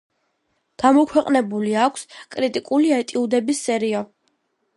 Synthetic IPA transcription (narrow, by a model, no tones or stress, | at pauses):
ɡ̥amɔkʰwɛqʼnɛbuliakʷʰskʼɾit̪ʼikʼuliɛt̪ʼiud̪ɛbisːɛɾiɔ